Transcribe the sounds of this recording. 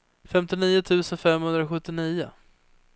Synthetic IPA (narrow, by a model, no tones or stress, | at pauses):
fɛmt̪ɪniːʊt̪ʰʉ̟ːsənfɛmhɵnd̪ɾaɧɵt̪ːɪniːʊ̰